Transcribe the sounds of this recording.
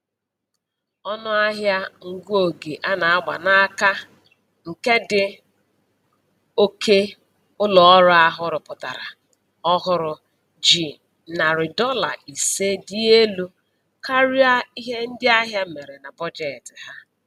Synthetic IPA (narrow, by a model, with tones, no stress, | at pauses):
ɔ˦nʊ˦a˦ɦja˦ŋ̩˨ɡu˦o˨ɡe˨ʔa˦na˨a˦ɡ͡ba̰˨na˦ka˦ | ŋ̩˨ke˦dɪ˨ | o˦kʰe˦ | ʊ˦lɔ˨ɔ˦ɾʊ˦a˦ɦʊ˦ɾʊ˨pʊ˨ta̰˨ɾa̰˨ | ɔ˦ɦʊ˦ɾʊ˨ | d͡ʒi˨ | na˨ɾɪ˨dɔ˦la̰˨i˨se˦di˦e˦lu˦ | ka˦ɾi˦a˦i˦ɦe˦n̩˦dɪ˦a˦ɦja˦me˨ɾe˨na˨bɔ˦d͡ʒe˨tɪ˨ha˦